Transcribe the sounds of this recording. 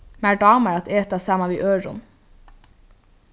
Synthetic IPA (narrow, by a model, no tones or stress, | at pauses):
mæːɖɑːməɾɑt̪ʰeːt̪ɑsɑːmɑʋiːʔøːɹʊn